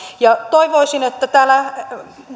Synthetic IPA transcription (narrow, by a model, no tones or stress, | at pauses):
jɑt̪oiʋoisinet̪ːæt̪æːlæ